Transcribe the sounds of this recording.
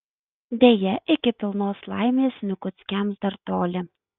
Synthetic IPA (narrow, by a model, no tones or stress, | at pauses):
d̪ʲejɛʔɪkʲɪpʲɪlˠnoːslˠɑ̰ɪmʲeːsnʲʊkʊt̪sʲkʲæmsd̪ɐɾt̪oːlʲɪ